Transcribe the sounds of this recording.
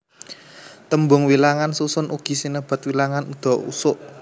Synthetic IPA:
t̪əmbʊŋwilaŋansusʊnʔuɡ̥i̤sinəb̥a̤t̪̚wilaŋanud̪̥ɔ̤ṵsʊʔ

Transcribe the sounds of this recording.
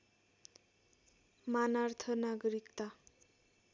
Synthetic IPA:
manart̪ʰʌnaɡʌɾikt̪a

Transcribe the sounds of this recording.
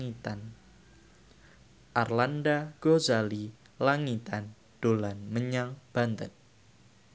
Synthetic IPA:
it̪an | ʔarlandaɡ̥ozali | laŋit̪an | d̥olanməɲaŋb̥ant̪ən

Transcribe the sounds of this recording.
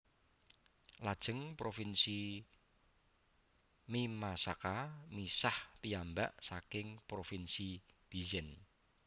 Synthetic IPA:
lad̥ʒ̥ə̤ŋpɾofinsi | mimasakamisaht̪iambaʔsakɪŋpɾofinsib̥izɛn

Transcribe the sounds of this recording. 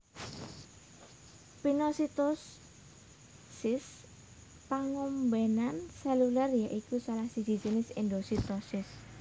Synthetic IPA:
pinɔsit̪ɔs | sɪs | paŋɔmbɛnansɛlularjaʔikusalahsi̥d͡ʒ̥i̥d͡ʒinɪsɪnd̪osit̪ɔsɪs

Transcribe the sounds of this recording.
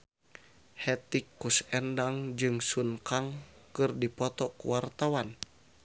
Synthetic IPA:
hɛt̪ikːusɛndaŋd͡ʒɨŋsunkaŋkɨrdipɔt̪ɔkṵwart̪awan

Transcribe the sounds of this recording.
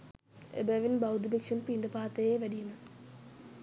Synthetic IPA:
ḛbɐʋinbɐwd̪ibekʂɐnpiːɳɖɨpaːt̪ːɐjeːʋɐɽijunɨ

